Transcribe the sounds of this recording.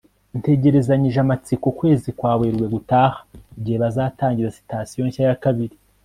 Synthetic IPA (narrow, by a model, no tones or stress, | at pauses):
nte̞ɟe̞ɾe̞zaɲiʒamat͡sikukwe̞ːzikwaːβeɾɡwe̞ɡutaːhḁibɟiheβazaːtaːɲɟiɾasi̥tasijoçajakaβiɾi